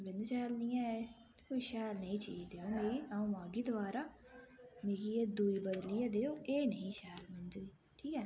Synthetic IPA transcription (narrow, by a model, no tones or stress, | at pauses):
bɪ̃nd̪ʃɛːlnĩːɛ̃ | koːiʃɛːlnəĩːt͡ʃḭːd̪eːoːmeːɡiːaõːmaːɡiːd̪əʋaːɾaː | meːɡiːed̪uːiːbəd̪liːɛːd̪eːoːeːnəĩːʃɛːlmɪ̃nd̪iː | ʈʰiːkɛː